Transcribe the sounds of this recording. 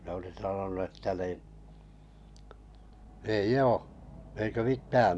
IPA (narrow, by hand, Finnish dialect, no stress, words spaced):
ne oli sɑnonu etːæ ni eij oː eikə mitːæː